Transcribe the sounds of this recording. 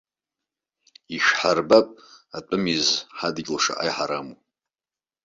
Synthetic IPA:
iʃᶣħarbapʼatʷʼʊmizħadɡʲlʂa̰ʔa̰jħaɾamu

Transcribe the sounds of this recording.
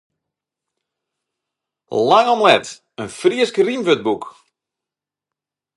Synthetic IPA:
laŋɔmlɛt | ənfriəskərimʋøt̚buk

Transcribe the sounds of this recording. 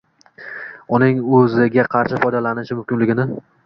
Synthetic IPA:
ʊnɪŋɵzɪɡʲaqʰɑɾʃɪfɒjd̪alanɪʃɪmʊmkʲɪnlɪɡʲɪnɪ

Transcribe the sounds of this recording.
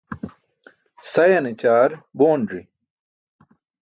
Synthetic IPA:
sɐjɐnit͡ɕaːɾboːɳɖɾi

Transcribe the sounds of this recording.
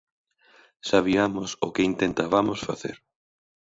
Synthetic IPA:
saβiamʊsʊkɪint̪ent̪aβamʊsfa̰θḛɾ

